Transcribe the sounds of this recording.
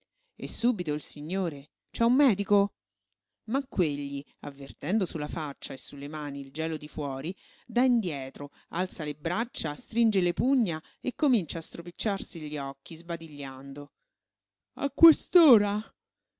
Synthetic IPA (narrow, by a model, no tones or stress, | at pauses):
ḛsːuːbit̪oilsiɲːoːɾe | t͡ʃɛumːɛːd̪iko | makːweʎːi | a̰vːert̪ɛnd̪osulːafat͡ʃːaesːulːemaːniːld͡ʒɛːlod̪ifwɔːɾi | d̪aind̪jɛːt̪ɾo | a̰lt̪salebɾat͡ʃːast̪ɾind͡ʒelepuɲːa | ekːomint͡ʃaːst̪ɾopit͡ʃːarsiʎːiɔkːizbad̪iʎːand̪o | a̰kːwest̪oːɾa